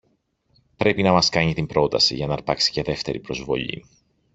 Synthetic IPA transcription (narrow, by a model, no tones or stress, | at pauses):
pɾe̞pinɐmɐskɐɲit̪imbɾo̞t̪ɐsḭʝɐnɐɾpɐksi̥ce̞ðe̞ft̪e̞ɾipɾo̞zvo̞̰ʎḭ